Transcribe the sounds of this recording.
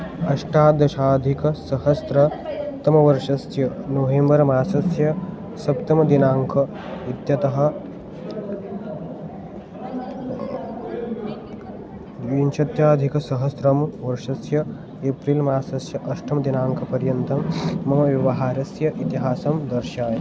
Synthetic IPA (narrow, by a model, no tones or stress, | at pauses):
ɐʃʈaːd̪ɐʃaːd̪ʱikɐsɐɦhɐsɾɐt̪ɐmɐʋɐɾʂɐsjɐnoʋeːmbɐɾmaːsɐsjɐ | sɐpt̪ɐmɐd̪inaːŋkʰɐ | it̪jɐt̪ɐɦɐ̆ | ʋinʃʰɐt̪jaːd̪ʱikɐsɐɦɐsɾɐmʋɐɾʂɐsjɐ | eːpɾilmaːsɐsjɐʔɐʃʈʰɐmɐd̪inaːŋkʰɐpɐɾjɐnt̪ɐmːɐmɐʋjɐʋɐɦaːɾɐsjɐʔit̪iɦaːsɐmd̪ɐɾʃaːj